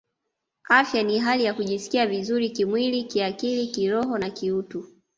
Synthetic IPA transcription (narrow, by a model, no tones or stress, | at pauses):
afjaniɦalijakuʄisi̥kiavizuɾikimwilikiakilikiɾɔɦɔnakiutu